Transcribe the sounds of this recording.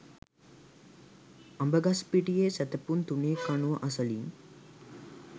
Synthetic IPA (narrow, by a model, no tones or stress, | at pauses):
ambəɡaspiʈijesæt̪əpunt̪uneːkanuʋəʔasəliŋ